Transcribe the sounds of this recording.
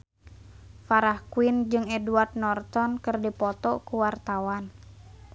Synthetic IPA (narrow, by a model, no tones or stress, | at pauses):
faɾahkwind͡ʒɨŋɛduart̪̚nɔrt̪ɔnkɨrdipɔt̪ɔkuwart̪awan